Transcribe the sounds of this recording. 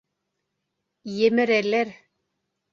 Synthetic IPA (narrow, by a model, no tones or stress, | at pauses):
jemɘɾeleɾ